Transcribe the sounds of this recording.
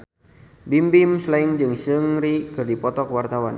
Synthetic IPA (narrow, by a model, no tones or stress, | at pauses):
bimbimslaiŋd͡ʒɨŋsəŋɾikɨrdipɔt̪ɔkəwart̪awan